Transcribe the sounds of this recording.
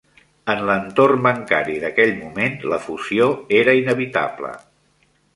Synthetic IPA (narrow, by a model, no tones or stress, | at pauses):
ənlənt̪ornbəŋka̰ɾiðəkɛʎmumenləfuzioeɾəinəβit̪a̰blə̰